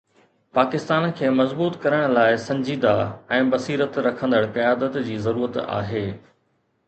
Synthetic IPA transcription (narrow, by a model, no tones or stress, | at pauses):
paːkɪst̪aːnkʰeːmɐzbuːt̪kɐɾəɽ̃laːɪsɐ̃ɲd͡ʑiːd̪aɛ̃ːbɐsiːɾət̪ɾɐkʰə̃nd̪əɽkɐjaːd̪ət̪d͡ʑiːzɐɾuːɾət̪a̰ːɦeː